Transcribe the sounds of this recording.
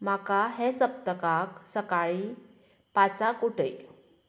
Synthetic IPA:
m̤akaɦẽsəp̚t̪əkaksəkaɭi | pat͡sakuʈəj

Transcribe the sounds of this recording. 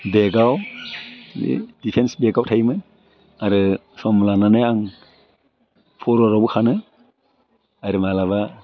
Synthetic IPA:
beɡaw | ḭd̥ipʰensbeɡawtʰajmɯn | aɾɯ | sɔmlananajaŋ | pʰɔɾɔɾabukʰanɯ | aɾɯmalaβa

